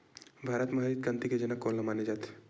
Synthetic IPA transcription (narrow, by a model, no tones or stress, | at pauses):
bʱaːɾət̪maɦaɾit̪̚kãnt̪iked͡ʒenakoɾlamaned͡ʒat̪